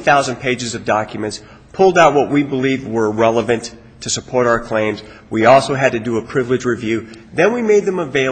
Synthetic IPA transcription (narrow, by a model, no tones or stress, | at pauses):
θaʊzɨ̃npʰeɪd͡ʒɨzʌvdɑkjɨmɨ̃nts | pʰʊlˠdaʊt̚wʌʔ̚wibəlivwə˞ɹɛlˠəvɨ̃ntʰ | ɨsəpʰɔɹɾaʊə˞kʰl̥ẽɪ̃mz̥ | wiɔlˠsoʊɨd̚tɨdɨəpʰɹ̥ɪvlɨd͡ʒɹivjʉðɨ̃nwimeɪd̪̚ðɨ̃məveɪ